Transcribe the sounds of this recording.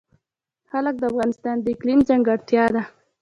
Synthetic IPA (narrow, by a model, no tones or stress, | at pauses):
xalək̚d̪əafɣɑnɪst̪ɑnd̪əɪklimzaŋɡaɽt̪jɑd̪a